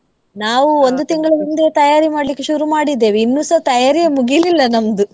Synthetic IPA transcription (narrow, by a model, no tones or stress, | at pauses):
naːʋuond̪ut̪iŋɡɐɭɐnind̪eːt̪ɐjaːɾimaːɽlikːeʃuɾumaːɽid̪ːe̞ːʋiinːuːsɐt̪ɐjaːɾijemuɡililːɐnɐmɐd̪u